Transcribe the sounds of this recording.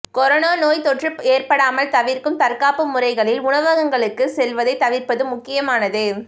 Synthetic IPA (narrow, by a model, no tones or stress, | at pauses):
kɔɾɐnaːnoːjt̪ɔʈrɯeːrpɐɽaːmɐlt̪ɐʋɪɾkɯmt̪ɐɾkaːpɯmʊrɐɪɣɐɭɪlʊɳɐʋɐɣɐŋɡɐɭɯkːɯsɛlʋɐðɐɪt̪ɐʋɪɾpɐðɯmːʊkːɪjɐmaːnɐðɯ